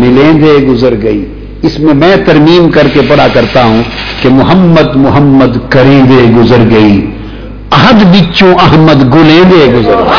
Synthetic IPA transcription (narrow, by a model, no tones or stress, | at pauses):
mɪlẽːd̪eɡʊzəɾɡɐiː | ɪsmẽmɛ̃ːt̪ɐɾmiːmkɐɾkepɐɽakɐɾt̪aɦũkemʊɦəmːəd̪mʊɦəmːəd̪kɐɾẽːd̪eɡʊzəɾɡɐiː | ɐɦəd̪bit͡ʃõʔɐɦməd̪ɡʊlẽːd̪eːɡʊzəɾɡ